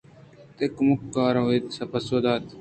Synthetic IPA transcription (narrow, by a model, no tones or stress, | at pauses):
t̪ekmukːaːɾɐeːt̪sɐpɐsoːd̪aːt̪